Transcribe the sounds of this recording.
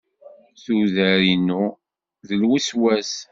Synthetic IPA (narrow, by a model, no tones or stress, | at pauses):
θuðæɾinu | ðəlwiswæs